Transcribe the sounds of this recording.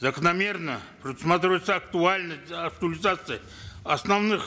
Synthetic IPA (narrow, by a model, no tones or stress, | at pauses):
zəkənɐmʲe̞rnəpɾʲɪd̪ʊsmat̪ɾʲɪvəjt̪səɐkt̪ualʲnəsʲtʲɐk̚t̪ʊəlʲɪzat̪sɨj | ɐsnavnɨx